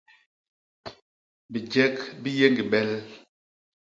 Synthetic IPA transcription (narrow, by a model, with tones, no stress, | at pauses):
bi˨d͡ʒɛ˦kbi˦je˦ŋɡi˨ɓɛ˦l